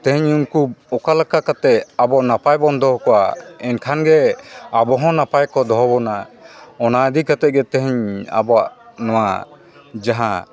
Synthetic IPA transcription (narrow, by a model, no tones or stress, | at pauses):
t̪ɛ̃ɦɛɲumkubɔkalakakat̪ɛʔabɔʔnapajbɔnd̪ʱɔɦkɔwa̰ɛnkʰanɡɛabɔɦɔ̃napajkɔd̪ɔɦbɔnaɔnad̪ikat̪ɛɡɛt̪ɛɦɛɲa̰bɔwaʔnɔwa̰ | d͡ʒaɦã